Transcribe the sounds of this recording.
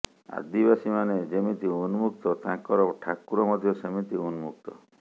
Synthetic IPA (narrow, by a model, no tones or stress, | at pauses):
a̰d̪ibasimaned͡ʒemit̪iunumuk̚t̪ɔt̪ãkɔɾɔʈʰakuɾɔmɔd̪ʱjɔsemit̪iunumuk̚t̪ɔ